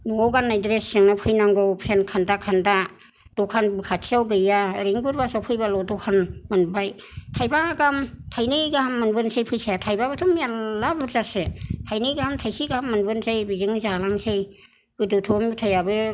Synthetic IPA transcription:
nuŋɔwɡanːajdɾesːɯŋnapʰɯjnaŋɡɔwpʰenkʰandakʰanda | d̥ɔkʰanbɯkʰatsʰiawɡɯjaɾeŋɡuɾbasawpʰɯjbalɔdɔkʰanmɯnbaj | tʰajbaɡamtʰajnɯjɡahamːɯnbɯnsejpʰɯjsajatʰajbabɯtʰɔmijaabuɾzasɯtʰajnɯjɡahamtʰajsiɡahamːɯnbɯnsejbizɯŋzalaŋsej | ɡ̥ɯdɯtʰɔmitʰajabɯ

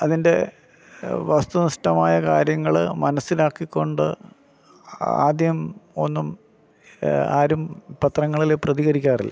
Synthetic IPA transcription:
ɐðinde̞̰ | ʋɐst̪unɐʂʈɐmaːjɐkaːɾjɐŋːɐɭmɐnɐsːilaːkːikʲːo̞ɳɖɨ | a̰ːd̪jɐmo̞nːum | aːɾumpɐt̪rɐŋːɐɭileprɐðiɣɐɾikʲːaːrilːɐ̰

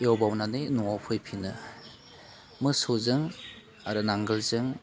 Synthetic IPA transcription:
eowbawnanenuŋawpʰɯjpʰinɯ | mɯsozɯŋ | aɾɯnaŋɡɯlzɯŋ

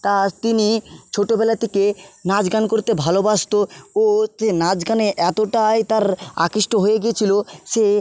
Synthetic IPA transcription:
t̪at̪init͡ɕʰoʈobɛlat̪ekenad͡ʑɡankoɾt̪ebʱalobaʃt̪ooenad͡ʑɡaneʔɛt̪oʈajt̪aɾa̰kiʃʈoɦojeɡiet͡ɕʰiloʃe

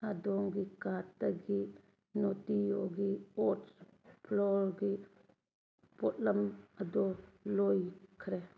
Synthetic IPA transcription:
adɔŋɡikataɡi | notijɔɡiɔtpʰlɔɾɡi | pɔt̚ləmadɔlojkʰɾe

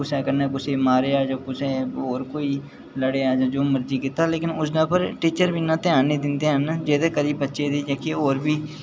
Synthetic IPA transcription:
kʊsɛːkəɾneːkʊseːmaːɾeːaːd͡ʒãːkʊseːoːɾkoːiː | ləɽeːaːd͡ʒãːd͡ʒoːməɾd͡ʒiːkɪt̪aːleːkɪnʊsdãːpəɾʈiːt͡ʃəɾbiːnãːt̪ɪjãːneːd̪ɪnd̪eːɦənd͡ʒeːt̪eːkəɾiːbətːʃeːd̪iːd͡ʒaːkeːoːɾbiː

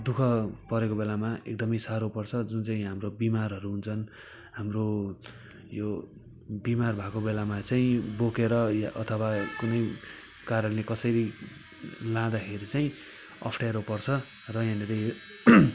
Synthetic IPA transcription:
d̪ukʰʌpʌɾekobelamaʔḛkd̪ʌmʌjsaɾopʌrt͡sʰʌd͡zunt͡saĩɦamrobimarɦʌɾuɦunt͡sʰʌn | hamro | jo | bimarbʱakobelamat͡saĩbokeɾʌjʔʌt̪ʰʌwakunʌj | karʌllekʌsʌɾi | lãd̪akʰeɾit͡saĩ | ʌ̰pʰʈaɾopʌrt͡sʰʌ | rʌjaneɾe

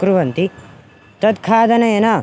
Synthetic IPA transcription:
kɾuʋɐnt̪i | t̪ɐd̪kʰaːd̪ɐnɐjɐnaː

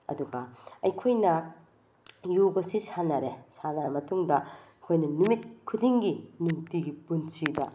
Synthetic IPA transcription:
ɐ̰duɡɐɐjkʰojnɐ | jubɐsisanɐɾesanaɾmɐtuŋdɐ | kʰojnɐnumit̚kʰudiŋɡinuŋtiɡipunsidɐ̰

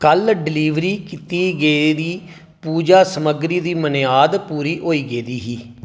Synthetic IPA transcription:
kəlɖɪliːʋɾiːkit̪iːɡed̪iː | puːd͡ʒaːsəməɡɾiːd̪iːmənjaːd̪puːɾiːʔoːiːɡeːd̪iːɦiː

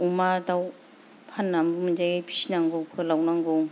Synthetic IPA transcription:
umadaw | pʰanːambumɯnd͡ʒajɡajpʰi̥sinaŋbowkʰɯlawnaŋbɔw

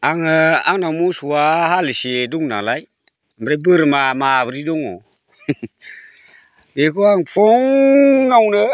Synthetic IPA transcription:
aŋəaŋnamusuwahaləseduŋna̰lai | mbɾebəɾəmamabɨɾidoŋo̰ | bekoaŋfoŋːawnə

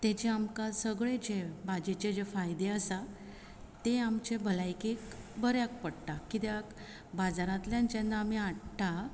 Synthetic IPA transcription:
t̪et͡ɕeamkasəɡɭed͡ʑebad͡ʑet͡ɕed͡ʑefajd̪eəsa | t̪eamt͡ɕebʱəlajkek | bəɾjak̚pəɽʈ̪akit̪jak | bad͡zaɾãt̪ljãnt͡ɕẽnd̪aːmiaʈʈa

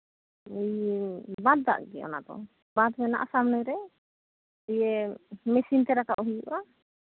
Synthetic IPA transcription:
ijbad̪̚a̰ʔɡɛɔ̰na̰d̪ɔ̰ | bad̪mɛna̰ʔasamnəjɾɛ | t̪ijɛmɛsint̪ɛɾakaʔɔɦujuʔa

